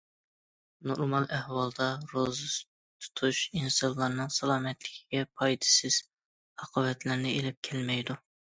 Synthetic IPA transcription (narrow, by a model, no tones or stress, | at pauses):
noɾmɑlˠæhwɑlˠd̪ɑɾozɨs | t̪ʰu̥t̪ʰuʃinsɑllːˠɑɾnɨŋsɑlˠɑːmɛt̪lɪkʲʰiɡʲɛpʰɑjd̪ɨ̥sɪz̥ | ɑqʰɑvɛt̪lɪɾnɪelɪp̚kʲʰɛlmɛjd̪u